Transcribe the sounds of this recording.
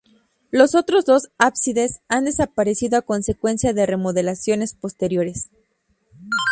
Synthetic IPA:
lo̞so̞t̪ɾo̞zðo̞sapsiðe̞sand̪e̞sapaɾe̞siðo̞ako̞nse̞kwe̞nsjaðe̞re̞moðe̞lasjo̞ne̞spo̞st̪e̞ɾjo̞ɾe̞s

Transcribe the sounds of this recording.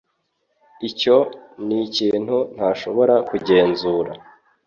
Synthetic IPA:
ico̞niciːn̥hun̥haːʃo̞βo̞ɾakuɟe̞ːnzuːɾa̰

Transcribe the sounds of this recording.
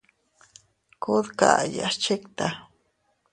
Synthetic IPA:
kʊðka̰ʔja̰t͡ʃekt̪a

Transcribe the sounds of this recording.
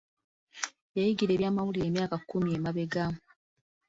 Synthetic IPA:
jajiɡiɾe̞ːβjaːmawulie̞ːmjaːkakːumiemaβe̞ɡa

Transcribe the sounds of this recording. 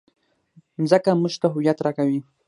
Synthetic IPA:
zəkamuʃt̪aɦuwjat̪ɾakawi

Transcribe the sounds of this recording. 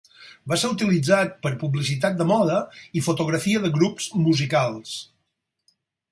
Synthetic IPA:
baseɾut̪ilid͡zat̪̚pəɾpublisit̪at̪̚d̪əmɔðəifut̪uɣ̞ɾəfiəðəɣɾupz̥muzikalˠs

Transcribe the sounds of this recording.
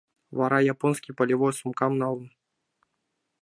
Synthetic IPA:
vɑɾɑjaponsʲkʲipəlʲivojsumkɑmnɑlˠn

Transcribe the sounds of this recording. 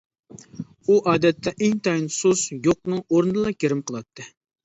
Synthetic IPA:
uʔɑːd̪ɛt̪ʰːɛʔɪŋt̪ʰɑjinsusjoq̚nɨŋoɾnɨd̪ɨlˠɑkʲeɾɪmqʰəlˠɑt̪ʰːɨ

